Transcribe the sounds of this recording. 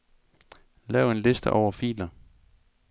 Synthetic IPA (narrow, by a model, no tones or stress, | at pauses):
lɛːʊe̝nle̝sd̥əʔɒʊ̰ɐfḭːlɐ